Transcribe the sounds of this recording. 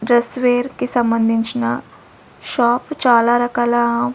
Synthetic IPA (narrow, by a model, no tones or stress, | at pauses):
ɖɾəsʋeːɾkisɐmbənd̪ʱint͡ʃna | ʃɔːpt͡ʃaːlaɾəkalaɦ